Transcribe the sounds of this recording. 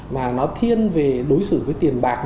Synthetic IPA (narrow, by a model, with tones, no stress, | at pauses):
maː˨˩nɔ˨˦t̪ʰi˧ənve˨˩ɗo˨˦jsɨ̰˧˩˨vəː˨˦jt̪i˨˩ənɓaː˨˩k̚